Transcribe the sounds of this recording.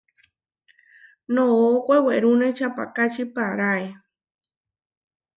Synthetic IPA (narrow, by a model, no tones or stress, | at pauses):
nõːkʷeweɾunet͡ʃapa̰kat͡ʃipaɾae